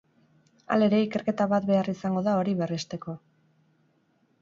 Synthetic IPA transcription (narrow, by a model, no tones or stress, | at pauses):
a̰le̞ɾe̞ike̞ɾke̞t̪aβat̪be̞arisaŋɡo̞ðao̞ɾiβerest̪e̞ko̞